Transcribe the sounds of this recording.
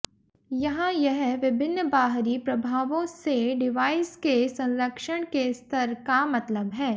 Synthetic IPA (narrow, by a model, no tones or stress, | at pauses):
jɐɦãjɛɦʋɪbʱɪnːbaːɦɾipɾɐbʱaːʋõseɖɪʋaːɪskesɐ̃nɾəkʃəɽ̃kest̪əɾkamɐt̪ləbɦɛː